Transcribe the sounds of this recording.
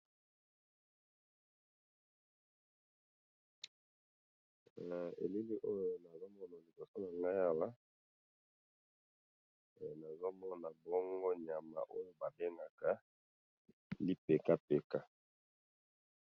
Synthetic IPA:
ḛ˨li˦li˦ʔo˦jo˨na˨zo˦mɔ˦na˨li˨bo˨so˦na˨ŋɡa˦ja˦wa˦˨ | na˨zo˦mɔ˦na˨bɔ˦ŋɡo˦ɲa˨ma̰˨ʔo˦jo˨ba˨be˦ŋɡa˨ka˨ | li˦pe˨ka˦pe˨ka˦

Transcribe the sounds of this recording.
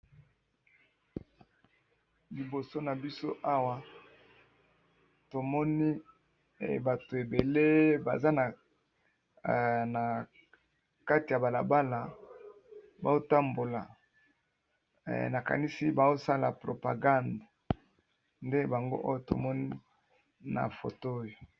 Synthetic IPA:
li˨bo˨so˦na˨bi˦so̰˦ʔa˦wa˦ | to˨mɔ˦ni˦˨ | ba˨to˨e˨be˨le˦ba̰˨za˦na˨ | na˨ | ka˦ti˨ja˨ba˨la˨ba˦la˨ | ba̰˨zo˦ta˦mbo˨la̰˨ | na˨ka̰˨ni˦si˦ba˨o˦sa˦la̰˨pʁo˨pa̰˨ɡa˦nda˨ | nde˦ba˨ŋɡo̰˦ʔo˦jo˦to̰˨mɔ˦ni˦ | na̰˨fo̰˨to˦jo˨

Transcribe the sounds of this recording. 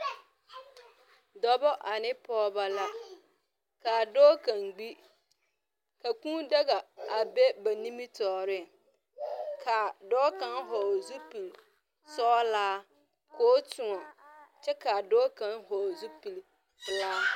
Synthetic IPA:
dɔ˨bɔ˦ʔa˨nɪ˦pɔː˦ba˦la˦ | ka˨dɔː˦ka˨ŋɡ͡bi˦ | ka˨kũ˦da˦ɡa˨a˨be˦ba˨nĩ˦mi˦tɔː˨ɾɪ˦˨ | kʰa˨dɔː˦ka˨nɦɔ˨zu˦pi˨l | sɔː˦laː˦ | koː˨˦tʊ˨ŋɔ˨t͡ʃɛ˦ka˨dɔː˦kã˨nhɔ˨zu˦pi˨l | laː˦

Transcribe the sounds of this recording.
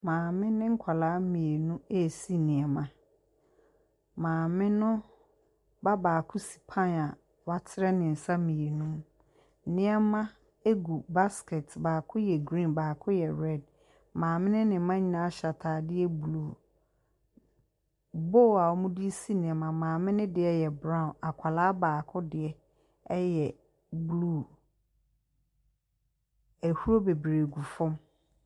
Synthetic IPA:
mãː˨mɪ̃˦nɪ̃˦ŋ̩˦kʷʰa˨laː˨˦mĩ˨e˨nũ˦e˦˨si˦nɪ̃˨ɛ˨mã˨ | mãː˨mɪ̃˦nʊ̃˦ | ba˦baː˨kʰʊ˦si̥˨pʰã˦na˨ | wa˦tʰɪ˦ɾɛ˦nɪ̃˨n̩˨sa˦mĩ˨e˨nũ˦m̩˨ | nɪ̃˦ɛ˦mã˦ | e˦ɡu˨ba˦skʰɛ˨tbaː˨kʰʊ˦jɛ˨ɡɾĩ˦˨baː˨kʰʊ˦jɛ˨ɾɛ˦˨d̚ | mãː˨mɪ̃˦nɪ̃˦nɪ̃˨˦mã˦ɲĩ˨˦nã˦ɕa˨tʰaː˨dɪ˦ɛ˦bluː˦˨ | bo˦˨wa˨wɔ˦mũ˦di˦si˦nɪ̃˨ɛ˨mã˨mãː˨mɪ̃˦nɪ̃˦dɪ˨ɛ˦jɛ˨bɾã˦˨na˨kʷʰa˨laː˦baː˨kʰʊ˦dɪ˨ɛ˦ | ɛ˦jɛ˨ | blu˦˨ | æ˨hu˦ɾo˦be˨bɾe˨ɡu˨fʊ̃˦m

